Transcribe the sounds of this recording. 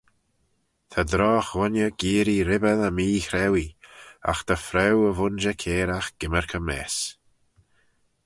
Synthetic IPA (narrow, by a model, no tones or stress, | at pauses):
t̪ʰad̪ɾɔːxwɔnjəɡ̥iːɾiɾɪbəðəmiːxɾɛwia̰xt̪ʰəfɾɛwəvʊnd͡ʒəkʰeːɾaxɡ̥ɪməɹkʰəmɛ̰ːs